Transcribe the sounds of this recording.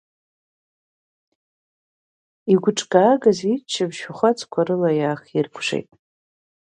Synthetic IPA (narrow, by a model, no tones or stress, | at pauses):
iɡʷʊʈ͡ʂʼkʼaːɡazit͡ʃʰːabʃaχʷat͡sʰʼkʷʰaɾɨlajaːχirkʷʰʂḛjtʼ